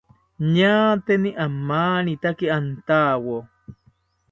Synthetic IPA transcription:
ɲaːt̪eniʔamːaːnit̪akiant̪aːwo

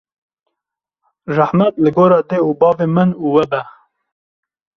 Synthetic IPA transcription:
raħmɛt̪lɨɡoːɾɑːd̪eːubɑːveːmənuːwɛbɛ

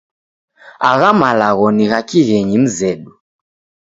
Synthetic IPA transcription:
aɣamalaɣɔniɣakiɣɛɲim̩zɛɗu

